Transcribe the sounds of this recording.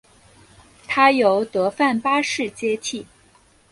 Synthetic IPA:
t̪ʰa˥jo˧˥ʊt̪ɤ˧˥fa˥˩npa˥ʂɻ̩˥˩t͡ɕjɛ˥t͡ɕʰi˥˩

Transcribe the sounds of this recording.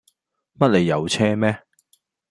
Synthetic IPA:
mɐ˥t̚le˨˧jːɐ˨˧wt͡sʰɛː˥mɛː˥

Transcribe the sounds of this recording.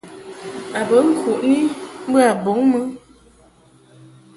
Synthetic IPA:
a˨bə˨˦ŋ̩˦kʰu˨ʔni˦m˦bə˦a˨bo˨˦ŋmɨ˦

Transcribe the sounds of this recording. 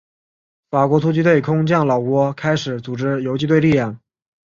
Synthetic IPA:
fa˨˩kwɔ˧˥t̪ʰu˥t͡ɕi˥t̪̬we˥˩ɪkʰʊ˥ŋt͡ɕjɑ˥˩ŋlɑ˨˩ʊkwɔ˧˥kʰa˥ɪʂɻ̩˨˧˥t͡su˨˩ʈ͡ʂɻ̩˥jo˧˥ʊt͡ɕi˥˧t̪we˥˧ɪli˥˧jɑ˥˩ŋ

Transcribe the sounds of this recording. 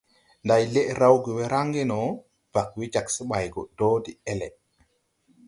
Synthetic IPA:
ndajle˦ʔɾawɡi˨wɛ˦ɾaŋɡɛ˦nɔ˨ | b̥a˨kwi˦d͡ʒa˨ksi˦ɓajɡɔ˨do˦di˨ɛlɛ̰

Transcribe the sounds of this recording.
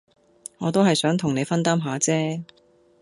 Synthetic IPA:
ŋɔː˨˧t̪̬o˥whɐ˨jsœː˨˥ŋt̪ʰʊ˨˩ŋne˨˧jfɐ˥nt̪aː˥mɦaː˨˧˥t͡sɛː˥

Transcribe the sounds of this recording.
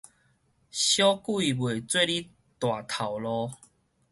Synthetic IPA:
ɕjɔ˦kwi˦˨bwe˨˩t͡swe˥˧li˦ | t̪wa˨˩t̪ʰa˨˩wlɔ˧

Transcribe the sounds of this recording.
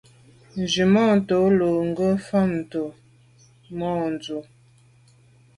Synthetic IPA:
n˨d͡ʒi˨mɔ˦˨to˨˦lo˨ŋ˦ɡə˦fa˦˨m˨to˨ | mɔ˦˨n˨d͡zu˨

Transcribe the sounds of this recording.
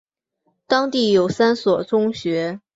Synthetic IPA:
t̪ɑ˥ŋt̪i˥˩jo˨˩ʊsa˥nswɔ˨˩t͡sʊ˥ŋɕɥɛ˧˥

